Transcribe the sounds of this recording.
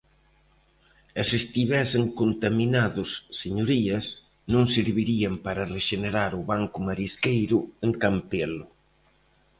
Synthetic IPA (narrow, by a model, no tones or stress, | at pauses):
ɐsest̪iβɛseŋkont̪aminaðʊsːeɲoɾiɐs | nõŋsiɾβiɾiɐmpaɾɐreʃeneɾaɾʊβaŋkʊmaɾiskejɾʊeŋkampelʊ